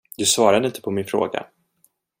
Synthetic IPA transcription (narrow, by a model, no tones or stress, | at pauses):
d̪ɵsvɑːɾad̪əɪnt̪ʰə̥pʰɔmɪnfɾo̰ːɡa̰